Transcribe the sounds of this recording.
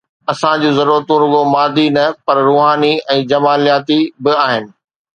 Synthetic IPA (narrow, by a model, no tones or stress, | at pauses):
ɐsãd͡ʑũːzɐɾuːɾət̪ũɾʊɡomaːd̪ʱinɐpɐɾɾoːɦaːniɛ̃ːd͡ʑɐmaːlijaːt̪ibɪaːɦɪnɪ̆